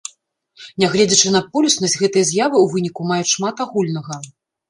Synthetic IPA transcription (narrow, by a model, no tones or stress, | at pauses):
nʲɛɣlʲɛd͡zʲɐt͡ʂɨnɐpulʲusnɐzʲɣɛt̪ɨjɐzʲjavɨuvɨnʲikumajut͡sʲʂmat̪aɣulʲnɐɣɐ